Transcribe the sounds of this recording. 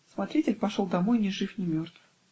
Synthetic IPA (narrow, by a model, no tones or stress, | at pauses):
smɐt̪ɾʲitʲɪlʲpɐʂolˠd̪ɐmo̞jnʲɪʐɨfnʲɪmʲo̞rt̪vɨ̥